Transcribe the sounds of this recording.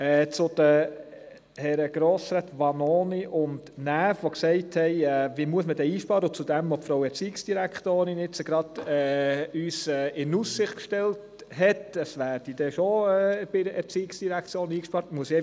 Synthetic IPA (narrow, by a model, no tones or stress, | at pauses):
ɛːt͡sʊd̥ə | hɛɾəɡ̥ɾoːsɾɛt̪ʋɑnoːniʔʊntnæːfʋoksɛɪthɛɪɛːʋiːmuəsmədɛːiːʃpɑːɾəʊt͡sudɛmɔpfɾowɛɾt͡siːɪksd̥iɾækχtoːɾɪnɪt͡səɡɾɑd̥ɛːyːsɛːɪnussɪχtkʃtɛlt | hɛtəsvæːɾd̥id̥ɛʃoɛːb̥ɪdəɛɾt͡siːɪksd̥iɾækt͡sjoːniːkʃpɑɾtmuəsɛ